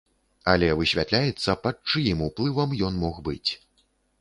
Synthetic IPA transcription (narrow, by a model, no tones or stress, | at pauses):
ɐlʲɛvɨɕʲvʲat̪lʲajɛt̪sːɐpɐt̪̚t͡ʂɨjimuplˠɨvɐmjɔnmɔxbɨt͡sʲ